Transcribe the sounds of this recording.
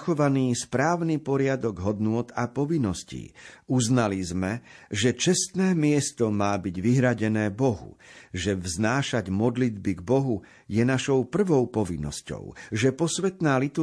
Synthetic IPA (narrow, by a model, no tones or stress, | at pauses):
xɔʋaniːspɾaːʊnipɔɾɪad̪ɔɡɦɔd̪nʊɔt̪apɔʋinːɔscḭːuznalizmɛʒɛt͡ʃɛst̪nɛːmɪɛst̪ɔmaːbiɟʋiɦɾaɟɛnɛːbɔɦṵʒɛvznaːʃaɟmɔd̪lid̪biɡbɔɦu | jɛnaʃɔʊpr̩ʋɔʊpɔʋinːɔ̰scɔ̰ʊʒɛpɔsʋɛt̪naːlit̪u